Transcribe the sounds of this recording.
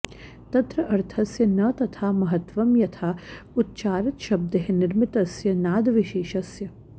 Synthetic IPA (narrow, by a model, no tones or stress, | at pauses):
t̪ɐt̪ɾɐʔɐɾt̪ʰɐsjɐnɐt̪ɐt̪ʰaːmɐɦɐt̪ʋɐmjɐt̪ʰaːut̪̚t͡ʃaːɾɪt̪ʃɐb̚d̪ɐɦɐnɪɾmɪt̪ɐsjɐnaːd̪ʋɪʃeːʃɐsjɐ